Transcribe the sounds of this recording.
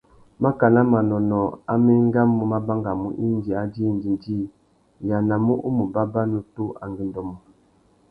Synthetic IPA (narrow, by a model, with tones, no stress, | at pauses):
ma˦ka˨na˦ma˨nɔ˨nɔ˨a˦me˦ŋ˦ɡa˦mːu˦ma˦ba˦ŋɡa˨mṵ˦ʔi˦n˦d͡ʒi˨a˦di˦˨n˨d͡ʒi˦n˨d͡ʒi˦ | ja˨na˨mu˦ʔu˦mu˨ba˦ba˦nu˨tu˦a˨ŋɡi˦n˨dɔ˨mu˨